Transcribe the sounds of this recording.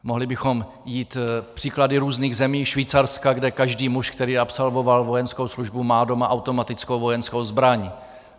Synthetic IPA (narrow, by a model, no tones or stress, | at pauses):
moɦlɪbɪxo̞m | jiːt̪pr̥iːkladɪɾuːzniːɣzɛmiːʃviːt͡saɾskaɡdɛkaʒdiːmuʃkt̪ɛɾiːʔapsalvo̞valvo̞jɛnsko̞wsluʒbumaːdo̞maʔawt̪o̞mat̪ɪt͡skowvo̞jɛnskowzbɾaɲ